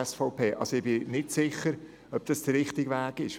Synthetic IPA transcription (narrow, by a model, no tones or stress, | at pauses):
ɛsfɔʊpeːʔɑ̰soɪb̥ɪnɪtsɪχəɾ | œp̚d̥ɑsd̥əɾɪχtɪɡvæːɡ̥ɪʃ